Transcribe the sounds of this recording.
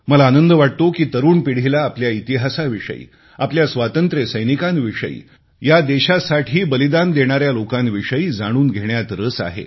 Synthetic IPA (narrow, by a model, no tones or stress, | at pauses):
məlaːnənd̪əʋaʈ̚t̪okiːt̪əɾuːɳpiɽ̤ilaːpljait̪iɦasaʋiʂə̰ḭː | apljasʋat̪ənt̪ɾesəjnikãnʋiʂə̰ḭː | jad̪eɕasaʈʰiːbəlid̪and̪eɽ̃aɾjalokãnʋiʂəiːd͡zaɽ̃uːnɡʱeɽjat̪ɾəsa̰ɦḛ